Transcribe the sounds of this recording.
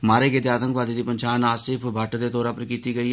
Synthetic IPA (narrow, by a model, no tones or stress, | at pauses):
maːɾeːɡɪt̪eaːt̪ə̃ŋkʋaːd̪id̪iːpənʃaːnaːsɪpʰbʱəʈd̪eːt̪oːɾaːpəɾkiːt̪iːɡəiː